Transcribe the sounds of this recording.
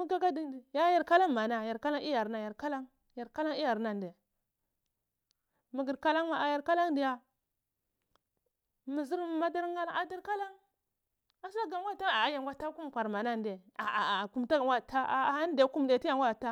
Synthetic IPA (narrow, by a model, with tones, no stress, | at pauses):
mu˦ɡa˦ka˦di˨ndi˨ja˦ja˨ɾka˦la˦ŋma˨na˨ja˨ɾka˦la˦ŋ˦i˦ja˨ɾna˨ja˨ɾka˦la˦ŋ | ja˨ɾka˦la˦ŋi˦ja˨ɾna˨n˨de˨ | mi˨ɡi˨ɾka˦la˦ŋma˨a˨ja˨ɾka˦la˦ŋdi˨ja˦ | mi˨zi˦ɾm˨ma˦da˦ɾŋɡa˦la˦a˨da˦ɾka˦la˦ŋ | a˦sa˦ɡa˨ŋ˦ɡʷa˦˨ta˦˨a˨˦ja˨ŋɡʷa˦ta˦ku˦m˨kʷa˨ɾma˨na˦nde˨a˨a˨ku˦m˦ta˦ɡa˨ŋwʷa˦˨ta˦a˨a˦n˦de˨˦ku˦m˨de˨ti˦ja˨ŋɡʷa˦˨ta˦